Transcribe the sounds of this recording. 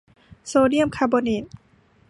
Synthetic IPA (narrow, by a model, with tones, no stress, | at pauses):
soː˧di˥˨ə˨mkʰa˧bo˧ne˨˩t